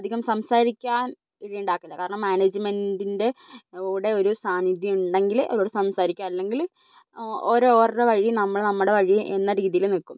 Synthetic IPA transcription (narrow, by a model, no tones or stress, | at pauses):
d̪ʱːiɣɐmsɐmsaːɾikʲːaːn | iɻijuɳɖaːkːɐlːɐkːaːɾɐɳɐmːaːneːd͡ʑɨmendinde̞oɽe̞o̞ɾusaːnid̪jɐmuɳɖe̞ŋɡilʔo̰ɾoːɽesɐmsaːɾikʲːaːnlːe̞ŋɡil | oɾoːrɽeʋɐɻinɐmːɐɭnɐmːuɽe̞ʋɐɻijʔḛnːɐɾiːðijilnikːum